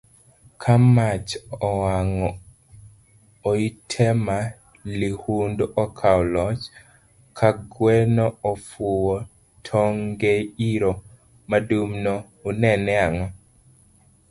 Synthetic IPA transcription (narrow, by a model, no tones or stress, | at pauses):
kʰamat͡ʃɔwaŋɔ | itʰɛma | lihundʔɔkʰaɔlɔt͡ʃ | kʰaɡwɛnɔɔfuwɔ | tʰɔŋɡeiɾo | madumnɔː | nɛnɛaŋɔ